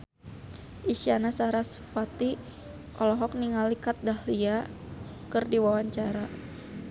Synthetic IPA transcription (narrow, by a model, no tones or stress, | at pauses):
ʔisianasaɾasfat̪i | ʔɔlɔɦɔk̚niŋalikat̪̚dahlia | kɨrdiwawaɲt͡ʃaɾa